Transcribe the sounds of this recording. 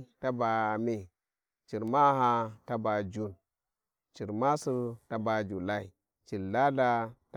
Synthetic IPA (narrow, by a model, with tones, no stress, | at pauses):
ta˦ba˨me˨ | t͡ʃi˨ɾma˦ɦa˦ta˦ba˨d͡ʒu˨n | t͡ʃi˨ɾma˦su˦ta˦ba˨d͡ʒu˨la˦i˨ | t͡ʃi˨lːa˦da˦t